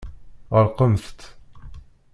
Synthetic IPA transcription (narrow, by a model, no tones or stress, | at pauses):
ʁəɾqəmθt̪